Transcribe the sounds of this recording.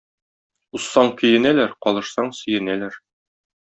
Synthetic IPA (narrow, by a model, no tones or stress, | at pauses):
usːɑɴkɵ̆jɘ̆nælæɾqɒlˠɤ̆ʃsɑɴsɵ̆jɘ̆nælæɾ